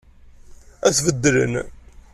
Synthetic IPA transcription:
æθvəd̪ːɾə̰n

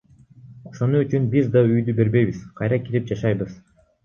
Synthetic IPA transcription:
ɑqsɑnuːt͡ʃynbizd̪ɑyjd̪ybe̞ɾbe̞jβiz̥qʰɑjɾɑkiɾip̚d͡ʒɑʃɑjbɯz̥

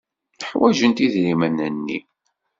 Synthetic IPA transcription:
ħwæʒənt̪iðɾimənənːḭ

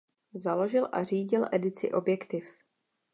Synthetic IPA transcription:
zalo̞ʒɪlʔa̰r̝iːɟɪlʔɛdɪt͡sɪ̰ʔo̞bjɛkt̪ɪf

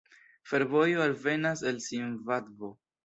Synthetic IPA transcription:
fe̞ɾvo̞joalve̞nase̞lsinvadvo̞

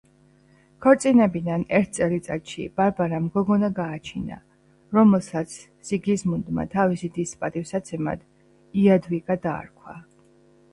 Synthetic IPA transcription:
kʰɔɾt̪sʼinɛbid̪anɛɾt̪̚ʰt̪sʼɛlit̪sʼat̪ʃḭb̥aɾbaɾamɡɔɡɔnaɡaːt͡ʃʰina̰ | ɾɔmɛlˠsat̪sʰ | z̥iɡismund̪ma̰t̪ʰavisid̪ispʼat̪ʼifsat̪sʰɛma̰d̪̥ | iad̪vikʼad̪a̰ːɾkʰwa̰

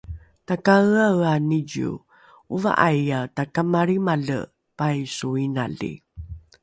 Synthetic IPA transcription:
takaɯaɯaniɟṵ | uva̰ʔajatakamaɾimaɮə̰ | pajsuina̰ɮḭ

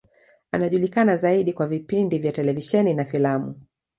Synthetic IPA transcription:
a̰naʄulikanazaiɗikwavipindivjatɛlɛviʃɛninafilamṵ

